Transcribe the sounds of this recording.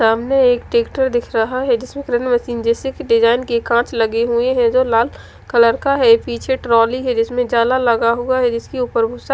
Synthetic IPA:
saːmneeːkʈeːkʈəɾd̪ɪkʰɾɐɦaɦɛd͡ʒɪsmẽkɾenmɐsiːnd͡ʒeːsekɖɪd͡ʒaːɪnkekãːt͡ʃʰlɐɡeɦueɦɛ̃d͡ʒolaːl | kɐləɾkaɦɛpiːt͡ʃʰeʈɾɔːliɦɛd͡ʒɪsmẽd͡ʒaːlalɐɡaɦuaɦɛd͡ʒɪskiupəɾbʱʊsa

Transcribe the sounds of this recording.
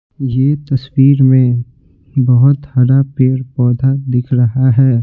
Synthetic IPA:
jeːt̪ɐswiːɾmẽ | bɐɦʊt̪hɐɾapeːɾpɔːd̪ʱad̪ɪkʰɾɐɦaɦɛː

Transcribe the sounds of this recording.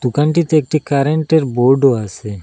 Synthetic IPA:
d̪̥ukanʈit̪eek̚ʈikaɾeɳʈeɾboɾɖoasʰe

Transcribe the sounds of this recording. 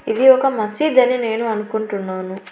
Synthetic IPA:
id̪iɔkɐmɐsiːd̪ɐnine̞ːnuɐnukuɳʈunːaːnu

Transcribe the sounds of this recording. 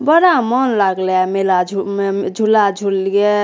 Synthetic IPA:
bəɾamɔnlaɡlamelad͡ʒʱud͡ʒʱulad͡ʒʱulɡe

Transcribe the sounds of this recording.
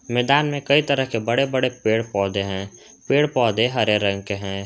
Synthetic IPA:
mɛːd̪aːnmẽkɐit̪əɾəɦkebəɽebəɽepeːɽpɔːd̪eɦɛ̃ː | peːɽpɔːd̪eɦəɾeɾə̃ŋɡ̚keɦɛ̃ː

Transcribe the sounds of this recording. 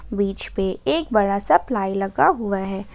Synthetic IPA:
biːt͡ʃpeeːk̚bɐɽasɐplaːilɐɡaɦʊaɦɛː

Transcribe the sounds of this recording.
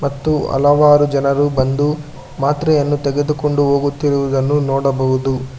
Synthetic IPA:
mɐt̪ːuɐ̰lɐʋaːɾud͡ʒɐnɐɾubɐnd̪u | maːt̪ɾɐjɐnːut̪ɛɡed̪uko̞ɳɖuɦoːɡut̪ːiɾuʋud̪ɐnːunɔːɽɐbɐɦud̪u

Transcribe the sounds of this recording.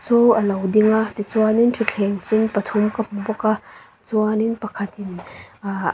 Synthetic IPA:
t͡suəlɐwdiŋat̪it͡suanintʰit͡ɬʰɛŋsinpɐt̪ʰumkɐmubɔka | t͡suaninpɐkʰɐt̪in

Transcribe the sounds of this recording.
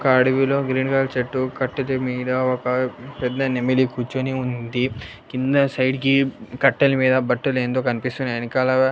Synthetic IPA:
kɐːɽiʋilo̞ːɡɾiːnkaːlt͡ʃɐʈːukɐʈːɐt̪emiːɖɐɔkɐpɛd̪ːɐnemelikut͡ʃoniund̪i | kind̪ɐsɐjɖkikɐʈːɐlɐmiːd̪ɐbɐʈːɐleːnd̪oːkɐnipist̪unɐnikalaa

